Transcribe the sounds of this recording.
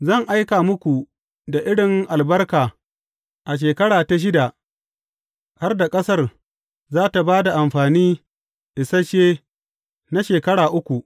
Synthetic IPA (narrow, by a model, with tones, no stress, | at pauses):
zɐ˦˨ŋʔa˦jkaː˨mʊ˦kʷu˨ | da˨ʔɪ˦ɽɪ˨ŋʔa˨lbɐ˦rkaː˨ | ʔa˨ʃ̬eː˨kɐ˦ɽaː˨ta˨ʃ̬ɪ˦da˨ | ha˦rda˨kʼɐ˦sɐ˦r | zaː˦ta˨baː˦da˨ʔa˨mɸaː˨niː˦ | ʔɪ˨sɐ˦ʃeː˦ | na˦ʃeː˨kɐ˦ɽaː˨ʔʊ˦kʷu˨ʔ